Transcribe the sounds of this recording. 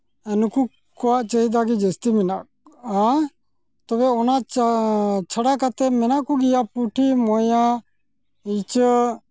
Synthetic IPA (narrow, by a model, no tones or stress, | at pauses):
ɛnuku | kɔwaʔt͡ʃəɦid̪ak̬id͡ʒəst̪iminaʔ | a | t̪ɔbɛɔna | t͡ʃʰəɽakat̪ɛmɛnaʔkuɡijapuʈʰimɔja | it͡ʃ